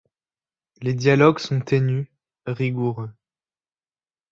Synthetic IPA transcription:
led̪jalɔɡsɔ̃t̪eny | ʁiɡuʁø

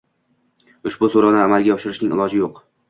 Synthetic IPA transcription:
ʊʃbʊsoɾanɪamalˠɡʲaɒʃɪɾɪʃnɪŋɪlˠɒd͡ʒɪjoq

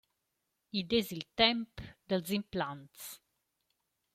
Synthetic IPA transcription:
id̪ezilt̪ɛmpd̪əlzimplant̪s

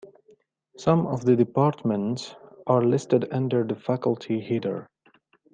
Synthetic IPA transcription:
sʌ̃mɔvðɨdɨpɑɹtmə̃ntsʔaɹlɪstɨdʌ̃ndəɹðəfækəlˠtʰihidə̰˞

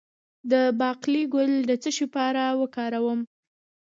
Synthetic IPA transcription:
d̪əbɑqliɡʊld̪ət͡səʃipaɾawəkɑɾawəm

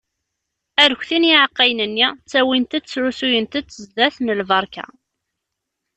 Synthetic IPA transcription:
æɾçʷθiniʕaqːɑjnənːit͡sːæwint̪æd̪t͡sːɾusujənt̪æt͡sːəzd̪æθnəlvɑɾˤkæ̰

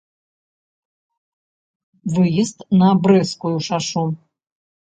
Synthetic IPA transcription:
vɨjist̪nɐbɾɛskujuʂaʂu

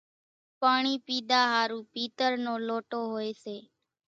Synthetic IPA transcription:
paːɳiːpiːd̪aːɦaːɾuːpiːt̪əɾnoːloːʈoːɦoːeːseː

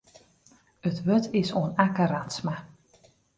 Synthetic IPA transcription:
ətʋøtʰɪsoənakəratsma

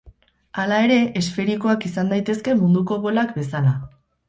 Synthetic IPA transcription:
alae̞ɾe̞ʔesfe̞ɾiko̞akisand̪ajt̪e̞ske̞mund̪uko̞βo̞lakbe̞sala

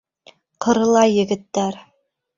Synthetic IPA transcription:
qʰɤ̆ɾɤ̆lˠɑjːɘ̆ɡɘ̆t̪ːæɾ

